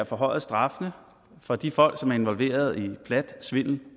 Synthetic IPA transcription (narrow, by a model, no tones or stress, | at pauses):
æfɒ̽ɦɒ̽ɪ̰sd̥ʁɑ̈fənə | fɒ̽d̥ifɒ̽l̰ɡ̥sɒ̽mæɐe̝nʋɒ̽lʋe̝̰ːɐð̞̩ˠipʰlæd̥sʋe̝n̰n̩